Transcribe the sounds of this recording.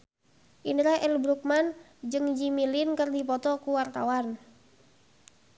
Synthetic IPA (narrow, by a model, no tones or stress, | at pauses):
ʔiniɾahɛlbɾuk̚man | d͡ʒɨŋd͡ʒimilinkɨrdipɔt̪ɔkuwart̪a̰wan